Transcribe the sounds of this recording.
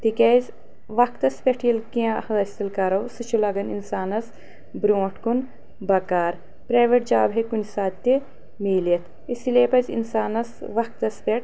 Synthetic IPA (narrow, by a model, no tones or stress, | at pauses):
t̪ikeːzʲ | ʋɐkt̪ɐspʲeʈʰjilkiãhɐɐsʲt̪ilkɐɾɐwsɨt͡ʃʰulɐɡɐninsaːnɐs | bɾõːʈkun | bɐkaːɾ | pɾaːʋeʈ̚d͡ʒaːbɦekunʲsaːt̪t̪ːi | miːljɐt̪ʰ | isilepɐzḭnsaːnɐsʋɐk̚t̪ɐspʲeʈ